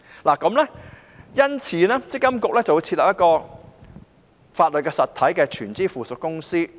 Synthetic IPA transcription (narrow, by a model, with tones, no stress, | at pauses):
laː˨˩kɐ˨˧˥mlɛ˥ | jɐ˥nt͡sʰiː˨˥nɛː˥t͡sɪ˥kːɐ˥mkʊ˨k̚lɛː˥t͡sɐ˨wu˨˧jt͡sʰi˧t̚lɐ˨pjɐ˥tkɔː˧ | faː˧t̚lɵ˨t̚kɛː˧sɐ˨t̪ʰɐ˨˥jkɛː˧t͡ʃʰyː˨˩nt͡siː˥fuː˨sʊ˨t̚kːʊ˥ŋsiː˥